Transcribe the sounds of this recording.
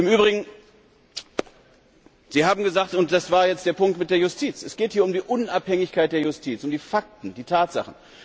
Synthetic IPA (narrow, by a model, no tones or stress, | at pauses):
ʔɪmyːbʁɪɡŋ̩ | z̥iːhaːbm̩ɡəzaːktʊnt̚d̥asv̥aːɐjɛt͡std̥eːɐpʊŋktmɪt̚d̥eːɐjʊstʰiːt͡sɛsɡ̥eːthiːɐʊmdiːʔʊnʔaphɛŋɪçkaɪt̚d̥eːɐjʊstʰiːt͡sʊmdiːfak̚tn̩d̥iːtʰaːtz̥a̰χn̩